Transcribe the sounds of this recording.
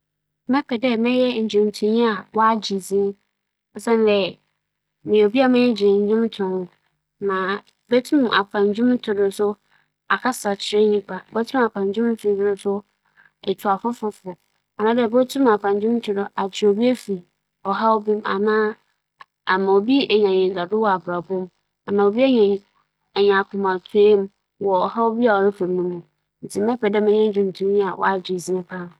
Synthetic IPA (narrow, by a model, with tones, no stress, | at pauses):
mɛ̃˦kʰɛ˨dɛ˦mɛ̃˦jɛ˦ɲ̩˨d͡ʑᶣʊ̃˨mtʰʊ̃˨˦n˦a˨wɔ˦a˦d͡ʑi˨zĩ˦ | ɔ˨sɛ̃˦n˦dɛ˨ | mɪ̃˨o˨bi˦a˦mɪ̃˦d͡ʑɪ˨ɪ˨ɲ̩˨˦d͡ʑᶣʊ̃˦m˦tʰʊ̃˨hʊ̃˦ | nã˨ | bɛ˦tʰũ˦m˨a̰˨kʷʰã˨ɲ˨d͡ʑᶣʊ̃˦m˦tʰʊ˨dʊ˨sʊ˦ | a˨kʰa˦sa˨t͡ɕʰɪ˨ɾɪ˦ɲĩ˦k͡pʰa˨bɔ˦tʰũ˦ma˨kʰã˨ɲ˨d͡ʑᶣʊ̃˦m˦tʰʊ̃˨n˦dɾʊ˨sʊ˦ | ɛ˨tʰu˨a˨fʊ˦fʊ˦fʊ˨ | a˨nã˦dɛ˦˨bɔ˦tʰũ˦ma˨pʰã˨ɲd͡ʑᶣɪ˦m̩˦t͡ɕʰɪ˦dɔ˨ʔa˨t͡ɕʰɪ˨o˨bi˦e˦fi˨ | ɔ˨ɦa˦wo˦bi˦ma̰˨nãː˦ | a˨mã˨o˨bi˦ɛ˨ɲã˨ɲɪ̃˨ɡa˨dʊ˦wɔ˦˨a˨bɾa˨bʊ̃˦m | a˨nã˨o˨bi˦e˦ɲɛ̃˨ | ɛ˨ɲã˨kʰʊ̃˨mã˨tʰʊ˨˦e˦m˦ | wɔ˨ɔ˨ha˦wbi˦a˨wɔ˨ɾɛ˦fa˨nũ˦nũ˨ | n̩˨tʰɪ˨mɛ˦pʰɛ˨dɛ˦mɪ̃˦ɲɛ̃˦n˦d͡ʑᶣũ˨n˨tʰũ˦m˦a˨wʔɔ̰˦a˦d͡ʑɪ˨zĩ˦pʰã˦n˨